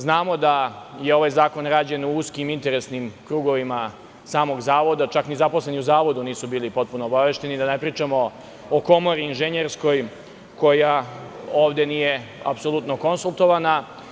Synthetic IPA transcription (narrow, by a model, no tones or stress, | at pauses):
znaːmo̞d̪ajeo̞ʋajzaːko̞nɾaːd͡ʑe̞nuuskimint̪e̞ɾe̞snimkɾuːɡo̞ʋima | saːmo̞ɡzaːʋo̞d̪at͡ʃaknizaposle̞niuzaːʋo̞d̪uniːsubiːlipo̞t̪̚puno̞ːbaʋe̞ʃt̪e̞nid̪anepɾiːt͡ʃamo̞ | oko̞mo̞ɾiːnʒeɲeɾsko̞j | ko̞jaoːʋd̪e̞niːje̞a̰pso̞lˠut̪no̞ko̞nsulˠt̪o̞ʋana